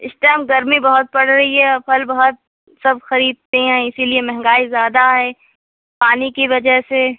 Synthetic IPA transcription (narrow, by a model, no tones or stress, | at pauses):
ɪsʈɛːmɡɐɾmibɐɦʊt̪̚pɐɽɾɐɦiɦɛɐpʰɐlbɐɦʊt̪̚ | sɐb̚xɐɾiːd̪̚t̪eɦɛ̃ɪsiliemɛɦŋɡaːizjaːd̪aɦɛː | paːnikiʋɐd͡ʒəɦse